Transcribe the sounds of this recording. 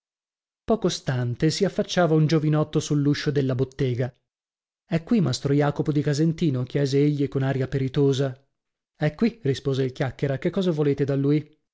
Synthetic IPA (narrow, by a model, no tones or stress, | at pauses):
pɔːkost̪ant̪esiafːat͡ʃːaːvaund͡ʒovinɔt̪ːosulːuʃːod̪elːabot̪ːeːɡa | ɛkːwimast̪ɾojaːkopod̪ikazent̪iːnok̟jɛːzeeʎːikonaːɾijapeɾit̪oːza | ɛkːwirispoːzeilkjakːeɾakekːɔːzavoleːt̪ed̪alːuːji